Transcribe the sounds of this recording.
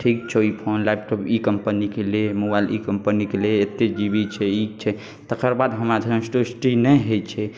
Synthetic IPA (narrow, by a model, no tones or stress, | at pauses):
ʈʰik̚t͡ʃʰɛipʰonlajbʈopikəmpənikelemobajlḭkəmpənikeleːt̪ːed͡ʒibit͡ʃʰɛik̚t͡ʃʰɛ | t̪əkəɾbad̪ɦəmɾad͡ʒ̪ʱə̃sʈosʈinɛɦet͡ʃʰɛ